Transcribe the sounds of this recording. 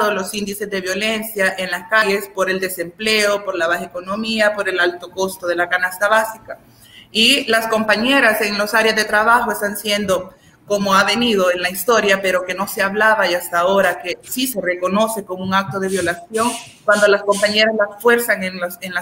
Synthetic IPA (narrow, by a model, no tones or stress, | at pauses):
ðolo̞sind̪ise̞zðe̞βjo̞le̞nsjaʔe̞nlaskaʎe̞spo̞ɾe̞ld̪e̞se̞mple̞o̞po̞ɾlaβaxeko̞no̞miapo̞ɾe̞lalt̪o̞ko̞st̪o̞ð̞e̞lakanast̪aβasika | ilasko̞mpaɲe̞ɾase̞ŋlo̞saɾjazðe̞t̪ɾaβaxo̞e̞st̪ansje̞nd̪o̞ | ko̞mo̞aβe̞nið̞o̞e̞nlaist̪o̞ɾjape̞ɾo̞ke̞no̞se̞aβlaβajast̪ao̞ɾake̞sise̞re̞ko̞no̞se̞ko̞mouŋak̚t̪o̞ð̞e̞βjo̞lasjo̞ŋkwand̪o̞lasko̞mpaɲe̞ɾazlasfwe̞ɾsaŋenlosenla